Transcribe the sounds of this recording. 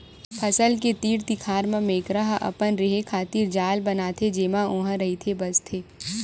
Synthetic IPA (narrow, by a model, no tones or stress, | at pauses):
pʰɐsəlket̪iːɽt̪ɪkʰaːɾmẽmeːkɾəɦʔɐ̰pənɾeɦekʰaːt̪iːɾd͡ʒaːlbɐnaːt̪ʰed͡ʒeːmaõːɦə̃ɾɐɦit̪ʰebɐst̪ʰeː